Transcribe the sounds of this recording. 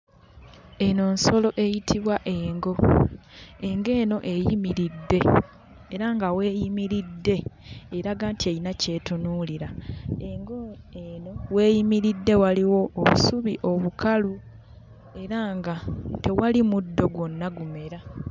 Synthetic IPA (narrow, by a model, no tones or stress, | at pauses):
e̞no̞ːnso̞lo̞ʔe̞jitʰiβwaʔeːŋɡo̞ | e̞ŋɡe̞ːno̞ʔe̞jimiɾidːe̞ː | ɾaŋɡawe̞ːjimiɾidːe̞ːɾaɡaːntiejinace̞ːtunuːliɾae̞ŋɡo | eno̞we̞ːjimiɾidːe̞waliwo̞ːβṵsuβiʔo̞βukalu | e̞ɾaːŋɡate̞walimudːo̞ɡwo̞nːaɡume̞ɾa